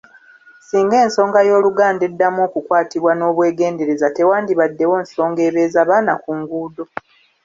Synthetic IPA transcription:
siːŋɡe̞ːnso̞ːŋɡajo̞ːluɡaːnde̞dːamokukwaːtiβwano̞ːβwe̞ːɡe̞ːnde̞ɾe̞zate̞waːndiβadːe̞wo̞ːnso̞ːŋɡe̞ːβeːzaβaːnakuŋɡuːdo̞

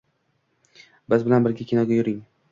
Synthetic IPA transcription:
bɪzbɪlanbɪɾɡʲakʲʰenɒɡʲajʊɾɪŋ

